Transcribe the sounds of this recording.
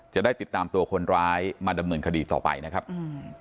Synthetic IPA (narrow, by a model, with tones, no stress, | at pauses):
t͡ɕa˨˩ʔdaː˥˩jt̪i˨˩t̪ːaː˧mt̪u˧ɐkʰo˧nɾaː˦˥jmaː˧da˧mnɤː˧nkʰa˧diː˧t̪ɔ̰ː˨˩pa̰˧jna˦˥kʰa˦˥p̚